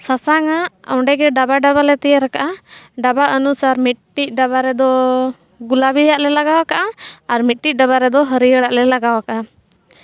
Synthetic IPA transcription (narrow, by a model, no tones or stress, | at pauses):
sasaŋaɔɳɖɛɡɛɖabaɖaβalɛt̪ɛjaɾakaʔaɖabaʔənusaɾmit̪̚ʈic̚ˀɖabaɾɛd̪ɔ | ɡulabijaʔlɛlaɡawakaʔaaɾmit̪̚ʈic̚ˀɖaβaɾɛd̪ɔɦəɾiəɽaʔlɛlaɡawakaʔa